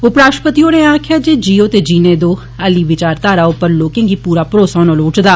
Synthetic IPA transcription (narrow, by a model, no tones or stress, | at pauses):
ʊpɾaːʃpət̪iːoːneːãːkʰjaːd͡ʒeːd͡ʒiːoːt̪eːd͡ʒiːnẽːd̪oː | əliːʋɪt͡ʃaːɾt̪aːɾaːopəɾloːkẽːŋɡiːpuːɾaːpɾoːsaːnoːloːʈd̪aː